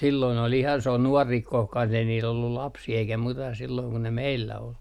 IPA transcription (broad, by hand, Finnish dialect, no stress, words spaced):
silːoin ol ihɑn s on nuɔri kohkɑn ei niːl olːul lɑpsiː eikæ muitɑ silːoiŋ ku ne meilːæ ol